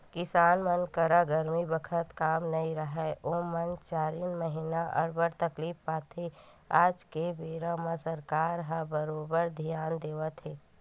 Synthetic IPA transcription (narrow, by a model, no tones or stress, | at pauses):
kɪsaːnmənkəɾaɡəɾmibəkʰət̪kaːmnɐiɾəɦɛʔomənt͡ʃaːɾiːnməɦinaʔɔ̰ɾbəɾt̪əkliːfːaːt̪ʰi | aːd͡ʒkebeːɾamə̃səɾkaːɾɦabəɾoːbəɾd̪ʱijaːnd̪eːʋət̪ɦeː